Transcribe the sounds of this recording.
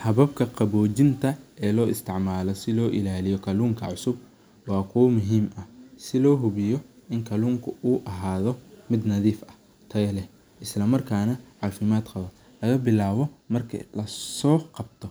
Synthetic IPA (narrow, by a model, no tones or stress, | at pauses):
hɐβɐb̚kʰɐqɑβɔːt͡ʃɪnt̪ʰɐʔɛːlɔːʔɪst̪ʰɪʕmaːlɔsɪlɔːʔɪlaːlɪjɔkʰɐluːŋkʰɐ̰ʕʊsʊb | wɑːkʰʊwɐmʊɦiːmɐsɪlɔːɦʊβɪjɔʔɪŋkʰɐluːŋkʰʊuːʔɐɦaːðɔmɪd̪nɐðiːfɐ̥ | t̪ʰɐjlɛ | ʔɪslɐmɐrkʰaːnɐʕɑːfɪmaːd̪qɐβɐ | lɐɣɐbɪlaːβɔmɐrkʰɐ̰lɐsɔːqɑb̚t̪ʰɔ